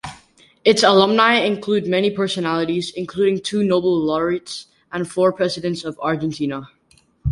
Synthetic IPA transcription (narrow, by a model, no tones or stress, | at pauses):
ɪtsəlʌ̃mnaɪɪ̃nkʰl̥ʉd̚mɛnipʰɜ˞sɨnælˠəɾizɨ̃nkʰl̥uɾɪ̃ŋtʰʉnoʊbl̩ˠlɔɹits | ʔə̃nfɔɹpʰɹ̥ɛzɨɾɨ̃ntsʌvɑɹd͡ʒɨ̃ntʰĩnə